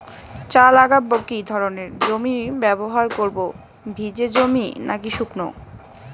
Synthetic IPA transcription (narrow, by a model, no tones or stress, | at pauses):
t͡ɕalaɡabokid̪ʱɔɾoneɾd͡ʑomibɛboɦaɾkoɾbo | bʱid͡ʑed͡ʑominakiʃukno̰